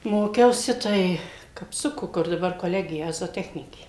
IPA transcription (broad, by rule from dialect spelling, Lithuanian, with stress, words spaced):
ˈmoːkʲɛʊsʲɪ ˈtɐɪ kɐpˈsʊkʊ kʊr dɐˈbɐr koːˈlʲæːɡʲɪjɛ zoːˈtʲæːxʲnʲɪkʲeː